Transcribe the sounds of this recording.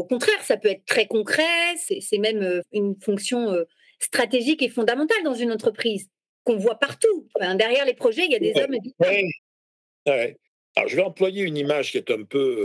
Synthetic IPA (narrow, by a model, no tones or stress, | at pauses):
okɔ̃t̪χɛʁsapøɛt̪χət̪χɛkɔ̃kχɛsɛsɛmɛmøynfɔ̃ksjɔ̃ø | st̪χat̪eʒikefɔ̃d̪amɑ̃t̪ald̪ɑ̃zynɑ̃t̪χəpχiz | kɔ̃vwapaʁt̪ũfɛ̃d̪ɛʁjɛʁlepχɔʒɛiljad̪ezɔmd̪ii | wɛ | aɔ̰ʁʒəvɛɑ̃plwajeynimaʒkʲiɛt̪ɛ̃pø